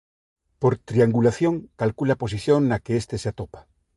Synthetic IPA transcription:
poɾt̪ɾiaŋɡulaθjõŋkalkulapo̞s̬iθjoŋːakeest̪eseat̪opḁ

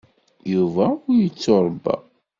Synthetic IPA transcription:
juvæʊɾjət͡sːoɾˤbæ̰

